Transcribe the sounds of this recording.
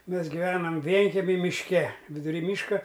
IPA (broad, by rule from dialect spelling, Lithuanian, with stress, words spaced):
ˈmʲɛs ɡʲɪˈʋʲæːnɐm ˈʋʲiɛŋʲkʲɛmʲɪ mʲɪʃʲˈkʲɛ ʋʲɪdʊˈrʲiː ˈmʲiːʃkɐ